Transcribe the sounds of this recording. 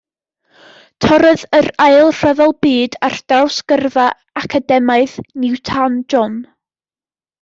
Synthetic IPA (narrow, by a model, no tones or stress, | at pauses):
tʰɔɾəðəɾajlˠr̥əðɔlˠbiːdard̥rawskərva | akʰadɛmaɨðnɪwtʰand͡ʒɔn